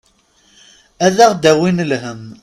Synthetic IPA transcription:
æðæʁd̪æwinlɦəm

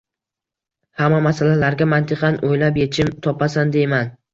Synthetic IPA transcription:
hamːamasalalaɾɡʲamant̪ʰɪqɑnʔojlapjet͡ʃʰɪmt̪ʰɒpasand̪e̞jman

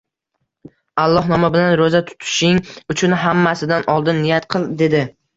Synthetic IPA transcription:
alˠːɒhnɒmabɪlanɾozat̪ʰʊ̥t̪ʰɪ̥ʃɪŋʊt͡ʃʰʊnɦamːasɪd̪anɒlˠd̪ɪnːɪjat̪qʰɨlˠd̪e̞d̪ɪ

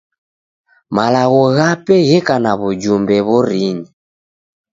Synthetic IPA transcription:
malaɣɔɣapɛɣɛkanaβud͡ʒumbɛβɔɾiɲi

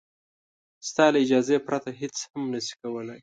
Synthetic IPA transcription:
st̪ɑlaɪd͡ʒɑzepɾat̪aɦet͡shamnəsi̥kawəlaj

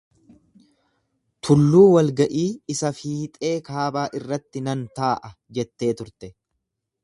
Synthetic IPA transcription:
t̪ʰʊlːuːwɐlɡɐʔiːɪsɐfiːt̪ʼe̞ːkaːbaːʔɪrːɐt̪ːɪnɐnt̪aːʔɐ | d͡ʒɛt̪ːe̞ːt̪ʊɾt̪ɛ

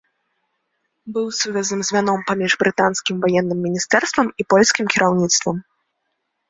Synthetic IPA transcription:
bɨwsuvʲɛznɨmzʲvʲanɔmpamʲiʐbɾɨt̪anskʲimvajɛnːɨmːʲinʲist̪ɛrst̪vɐmipɔlʲsʲkʲimkʲiɾʔawnʲit̪st̪vɐm

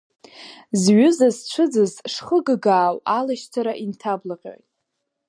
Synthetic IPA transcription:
zɥʊzazt͡ʃʷʰɨd͡zɨzʂχəɡɡaːwalaʃt͡sʰaɾaʔintʰablaqʲʼo̰jtʼ

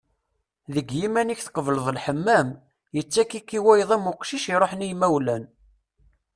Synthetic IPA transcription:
ðəɡjimæniçθqəvləðˤlħəmːæm | jət͡sːækːikːiwæjðˤæmʊqʃiʃiɾˤoħnijmæwlæn

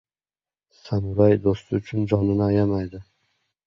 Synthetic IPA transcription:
samʊɾajd̪ost̪ɪʊt͡ʃʰʊnd͡ʒɒnɪnɪːjamajd̪ɪ

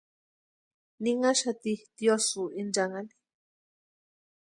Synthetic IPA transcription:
niŋaʃat̪it̪josuind͡ʒaŋani̥

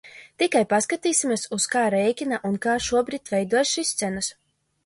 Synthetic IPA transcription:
t̪ikajpaskat̪iːsimʲiɛsuskaːɾɛjkʲinaʔunkaːʃuɔbɾiːt̪ʲvʲɛjd̪uɔjsʃist̪sɛnus

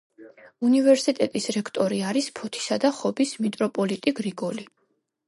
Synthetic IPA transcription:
univɛɾsit̪ʼɛt̪ʼisɾɛkʰt̪ʼɔɾiaɾispʰɔt̪ʰi̥sad̪aχɔbismit̪ʼɾɔpʼɔlit̪ʼiɡɾiɡɔli

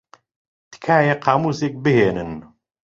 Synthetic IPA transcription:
t̪kʰaːjeqʰaːmuːsek̚bɨheːnɨn

